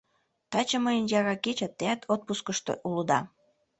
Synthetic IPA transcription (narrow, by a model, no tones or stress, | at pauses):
t̪ɑt͡ɕəməjənjɑɾɑket͡ɕæt̪ːeæt̪ʰot̪̚puskəʃt̪o̰ʔulud̪ɑ